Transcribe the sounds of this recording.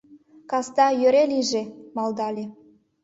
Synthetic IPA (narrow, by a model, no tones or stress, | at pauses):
kɑst̪ɑjøɾelʲiʒemɑld̪ɑlʲe